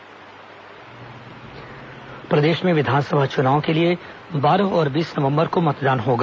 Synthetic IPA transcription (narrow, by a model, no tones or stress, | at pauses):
pɾɐd̪eːʃmẽʋɪd̪ʱaːnsəbʱaːt͡ʃʊnaːõkelie | baːɾəɦɔːɾbiːsnɐʋə̃mbəɾkomɐt̪d̪aːnɦoːɡaː